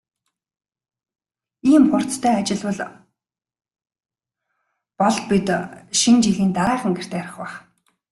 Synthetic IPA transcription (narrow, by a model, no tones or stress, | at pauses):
iːmχʊr̥t͡st̪ʰœːat͡ɕɪ̆ɮwʊ̆ɮ | pɔɮ̚pit̪ʃint͡ɕiɮiːnt̪aɾaːχə̆ŋɡer̥t̪ʰeːɾɪ̆χwaχ